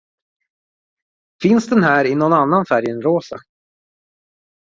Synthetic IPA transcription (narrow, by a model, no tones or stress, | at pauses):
fɪnsd̪ɛnɦæːɾɪnɔnanːanfæɾjənɾoːsa̰